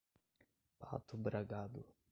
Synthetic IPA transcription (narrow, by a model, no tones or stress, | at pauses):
pa̰t̪ʊbɾaɡad̪ʊ̰